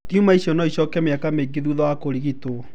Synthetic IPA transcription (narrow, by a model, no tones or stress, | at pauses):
kiumaiɕiɔnɔiɕɔkɛmeakameɡeðuðɔakoɾiɣito